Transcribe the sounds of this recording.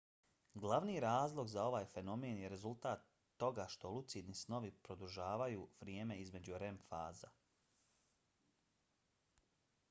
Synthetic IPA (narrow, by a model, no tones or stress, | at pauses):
ɡlaʋnijɾaːzlˠo̞ɡzao̞ʋaːjfe̞no̞meːnjeɾe̞zulˠt̪aːt̪ː | o̞ɡaʃt̪o̞lut̪sid̪nisno̞ʋipɾo̞d̪uʒaːʋajuʋɾʲjeːme̞izme̞d͡ʑuɾe̞mfaːza